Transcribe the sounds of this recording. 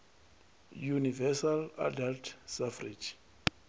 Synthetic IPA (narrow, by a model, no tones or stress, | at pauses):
junivɛsala̰daltʰsafrid͡ʒ